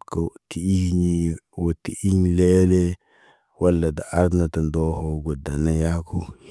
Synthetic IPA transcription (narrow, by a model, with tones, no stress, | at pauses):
ka˨ti˨i˦ɲi˦ | wo˨ti˨ʔi˦ɲle˦le˦ | wa˦lːa˨da˨ʔa˦ɾna˨ta˨ndo˦ho˦ɡo˨da˨na˦ja˦ko˦